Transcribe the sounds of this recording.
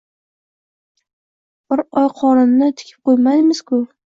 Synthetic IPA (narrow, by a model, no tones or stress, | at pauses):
b̥ɪɾɒjqʰɒɾɪnnɪt̪ʰɪ̥kʲʰɪ̥p̚qojmajmɪz̥kʰʊ